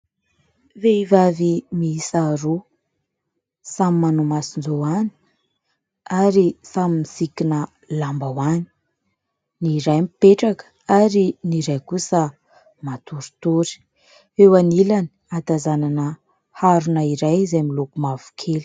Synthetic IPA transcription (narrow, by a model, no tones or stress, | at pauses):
veivavimisaɾu | samimanumasind͡zoani̥ | aɾisamimisikinə | lambawani̥ | niɾajmipeʈ͡ʂakə̥ | aɾiniɾajkusə | mat̪uɾu̥t̪uɾi̥ | ewanilani̥ | at̪azananə | haɾunaiɾajzemilukumavu̥kʰeli̥